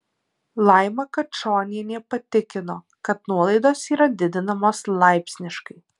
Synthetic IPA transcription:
lˠɐˑɪmɐkɐt͡ʃoːnʲiɛnʲɛpɐt̪ʲɪkʲɪnoː | kɐt̪nuɔlˠɐɪd̪oːsiːɾɐd̪ʲɪd̪ʲɪnɐmoːslˠɑɪpʲsʲnʲɪʃkɐɪ

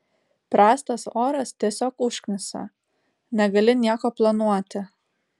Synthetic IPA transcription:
pɾɑːst̪ɐsoːɾɐst̪ʲiɛsʲoːkʊʃʲknʲɪsʲɐ̰ | nʲɛɡɐlʲɪnʲiɛkoːplˠɐnuɔt̪ʲɪ

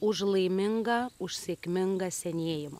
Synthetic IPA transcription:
ʊʒlˠɐɪmʲɪŋɡɐʊʃʲsʲeːkʲmʲɪŋɡɐsʲɛnʲeɛjɪmo̰

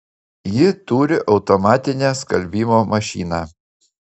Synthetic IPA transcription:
jɪt̪uːɾʲɪʔɒʊt̪ɔmɑːt̪ʲɪnʲæːskɐlʲbʲiːmoːmɐʃʲiːnɑː

